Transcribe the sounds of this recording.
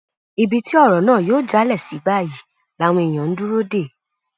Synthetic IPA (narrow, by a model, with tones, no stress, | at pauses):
i˨bi˧ti˦ɔ˦˨ɾɔ˨nãː˦˨joː˦˨d͡ʒa˨˦lɛ˦˨si˨˦ba˦˨ji˨˦ | la˦w̃ɔ̃˧i˨j̃ã˨n̩˦du˦ɾo˦de˦˨